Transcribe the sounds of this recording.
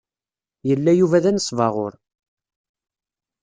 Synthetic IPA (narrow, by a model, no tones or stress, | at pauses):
jəlːæjuvæðænəsˤːvɑʁʊ̰ɾ